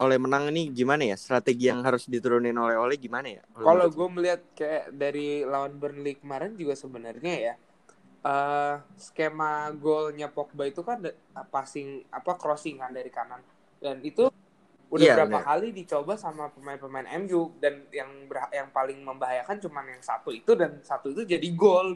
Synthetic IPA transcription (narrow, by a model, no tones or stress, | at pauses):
olɛhmənaŋiniɡimanajast̪ɾat̪eɡijaŋɦaɾʊsdit̪uɾʊnɪnolɛholɛhɡimanaja̰lkalaɡuɛməliɦat̪̚kajaʔdaɾilawanbərnlikəmaɾand͡ʒuɡasəbənərɲaja | ʔəsə̥kemaɡolɲapɔk̚bait̪ukan | pasɪŋapakɾɔsɪŋkandaɾikanan | danit̪u | udabəɾabaɦalidit͡ʃobasamapəmaɪnpəmaɪnʔɛ̰mjudanjaŋbəajaŋpalɪŋməmbaɦajakant͡ʃumanjaŋsa̰t̪uit̪udansat̪uit̪ud͡ʒadiɡol